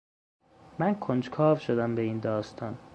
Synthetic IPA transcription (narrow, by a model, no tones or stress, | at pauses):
mænkʰond͡ʒkʰɒːvʃod̪æmbeiːnd̪ɒːst̪ʰɒːn